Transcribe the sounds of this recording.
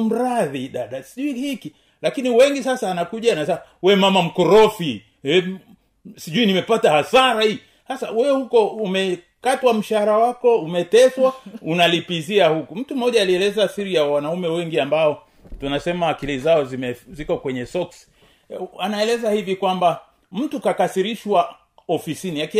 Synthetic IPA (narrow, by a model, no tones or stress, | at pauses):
m̩ɾaðiɗaɗasiʄuihiki | lakiniwɛŋɡisasaːnakuʄaːnasɛmawɛmamam̩kɔɾɔfi | ɛ | siʄuinimɛpatahasaɾahi | hasawɛhukɔumɛ | katwam̩ʃaɾawakɔumɛtɛswaunalipiziahukum̩tum̩ɔʄaːliɛlɛzasiɾijawanaumɛwɛŋɡiambaɔ | tunasɛmawakilizaɔzimɛzikɔkwɛɲɛsɔksi̥ | anaɛlɛzahivikwamba | m̩tukakasiɾiʃwa | ɔfisiniak